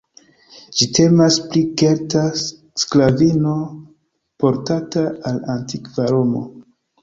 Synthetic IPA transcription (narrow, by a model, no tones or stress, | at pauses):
d͡ʒitʰe̞masplike̞lta | sklavino̞ | po̞ɾtataalantikvaɾomo̰